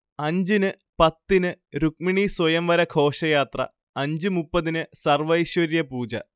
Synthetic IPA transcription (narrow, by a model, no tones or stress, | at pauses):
ɐɲd͡ʑinɨ | pɐt̪ːinɨɾuk̚miɳiswɐjɐmʋɐɾɐkʰo̞ːʂɐjaːt̪rɐ̰ | ɐɲd͡ʑɨmupːɐðinɨsɐrʋɐjɕʋɐɾjɐpuːd͡ʑɐ̰